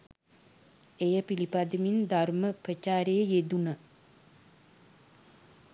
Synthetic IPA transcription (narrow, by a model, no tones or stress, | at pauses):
ejəpilipad̪əmind̪aɾməpɾət͡ʃaːɾejəjed̪unə